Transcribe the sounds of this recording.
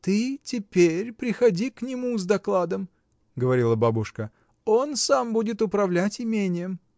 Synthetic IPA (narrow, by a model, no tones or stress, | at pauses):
t̪ɨtʲɪpʲeɾʲpɾʲɪxɐdʲiknʲɪmuzd̪ɐklˠad̪əm | ɡəvɐɾʲilˠəbabʊʂkə | o̞nsambudʲɪt̪ʊpɾɐvlʲætʲɪmʲenʲɪjəm